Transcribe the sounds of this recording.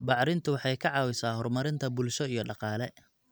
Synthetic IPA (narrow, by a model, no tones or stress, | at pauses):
bɑʕɾɪnt̪ʰʊwɑħɑjkʰɑʕɑːwɪsaːɦɔrmɐɾɪnt̪ʰɐbʊlʃɔijɞɖɑqɑːlɛ